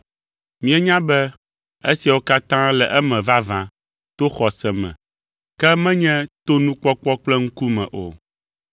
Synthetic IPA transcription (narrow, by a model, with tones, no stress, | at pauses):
mĩ˦ɛ˦ɲã˦bɛ˦ | e˦si˨a˨wo˦ka˦t̪ã˦lɛ˨ʔɛ˦mɛ̃˨va˦vã˨ | t̪o˦xɔ˨sɛ˨mɛ̰̃˨ | kɛ˦mɛ̃˦ɲɛ̃˦t̪o˦nũ˦k͡pɔ˦k͡pɔ˦k͡plɛ˦ŋ̩˦ku˦mɛ̃˨ʔo̰˨